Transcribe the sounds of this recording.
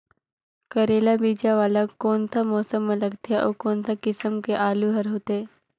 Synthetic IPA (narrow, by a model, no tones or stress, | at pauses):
kɐɾeːlabiːd͡ʒaʋaːlakːɔːnsamɔːsəmːẽlɐɡt̪jaʔɔːkɔːnsakɪsəmkeʔaːluɦɐɾɦoːt̪eː